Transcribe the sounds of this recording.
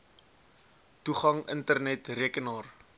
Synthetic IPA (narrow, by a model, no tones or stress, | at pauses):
tuχɐŋəntərnɛtriəkənɑːr